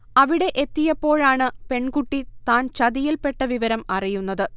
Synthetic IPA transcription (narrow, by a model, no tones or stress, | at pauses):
ɐʋiɽe̞ʔet̪ːijɐpːo̞ːɻaːɳɨpe̞ɳkuʈːit̪aːnt͡ɕɐðijilpe̞ʈːɐʋiʋɐɾɐmɐrijunːɐðɨ